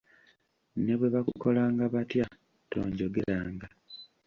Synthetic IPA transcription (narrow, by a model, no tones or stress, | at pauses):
ne̞βwe̞βakuko̞laːŋɡaβatja | to̰ːɲɟo̞ɡelaːŋɡa